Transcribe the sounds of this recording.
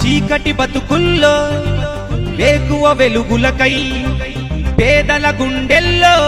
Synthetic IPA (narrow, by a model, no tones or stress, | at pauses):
t͡ʃiːkɐʈibɐt̪ukulːoː | ʋeːkuʋɐʋeluɡulɐkɐj | pɛːd̪ɐlɐɡuɳɖelːoː